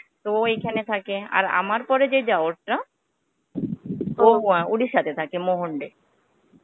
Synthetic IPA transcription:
t̪ooejkʰanet̪ʰakea̰ɾa̰maɾpɔɾed͡ʑed͡ʑaoɾʈːa | oɦuãuɽiʃat̪ʰet̪ʰakemoɦoɳɖe

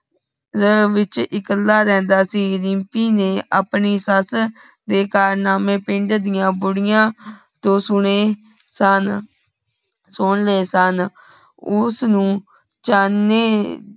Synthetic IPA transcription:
ɾəʋɪt͡ʃɪkəlːaːɾɛ̃ːnd̪aːsiːɾɪmpiːneːʔaːpɳiːsəs | d̪eːkaːɾnaːmẽːpɪɳɖd̪ɪjãːbʊɽɪjãː | t̪õːsʊɳeː | sən | sʊnleːsən | ʊsnũː | t͡ʃaːnːeː

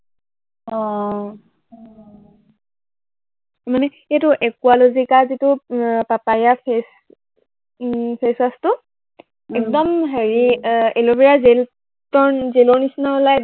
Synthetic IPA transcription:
ɔ̃ | manɛ | etʊʔɛkualozikazitʊpapajapʰes | pʰesastʊ | ɛk̚dɔmɦeɹielobiɹazel | tɔɹzelɔɹnisnaɔlaj

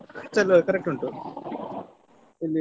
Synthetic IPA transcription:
t͡ʃɐlokɐɾek̚ʈuɳʈu | ili

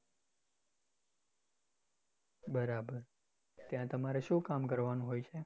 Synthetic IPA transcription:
bəɾabəɾ | t̪jãt̪əmaɾeʃũkamkəɾʋanũɦojt͡ʃʰe

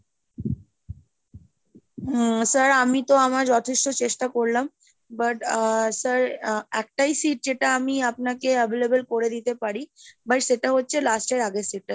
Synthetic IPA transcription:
səɾamit̪oamaɾd͡ʑɔt̪ʰeʃʈot͡ɕeʃʈakoɾlam | baʈsəɾɛk̚ʈajsiʈ̚d͡ʑeʈaamiap̚nakeəbelebolkoɾed̪it̪epaɾibajʃeʈaɦotːɕʰelasʈeɾaɡesiʈ̚ːa

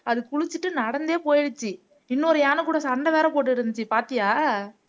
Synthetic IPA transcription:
ɐðɯkʊɻʊt͡ʃːɯʈːɯnɐɽɐnd̪eːpoːjɪɽɯt͡ʃːi | ɪnːoːɾɯjaːnɯkuːɽɐsɐɳɖɐʋeːɾɐpoːʈːɯɪɾɯnd̪ɯt͡ʃːipaːɾt̪ɪjaː

